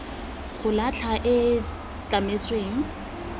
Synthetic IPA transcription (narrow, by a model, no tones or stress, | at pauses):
χʊlat͡ɬʰaʔɪ | t͡ɬʼamet͡sʼweːŋ̩